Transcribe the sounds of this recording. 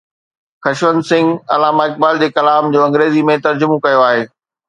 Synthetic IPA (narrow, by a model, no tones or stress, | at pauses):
xɐʃʋənsɪ̃ŋɡɐ̰laːmaɪk̚baːld͡ʑeːkɐlaːmd͡ʑoːɐ̃ŋɡɾeːzimẽt̪ɐɾd͡ʑʊmokɐjoaːɦeː